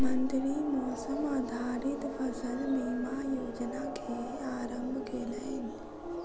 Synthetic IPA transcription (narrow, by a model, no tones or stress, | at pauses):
mə̃nd̪ɾimɔːsəmaːd̪ʱaːɾɪt̪ʋɐsənmiɦmajoːd͡ʒnakʰe | aːɾə̃mbʱkeːleen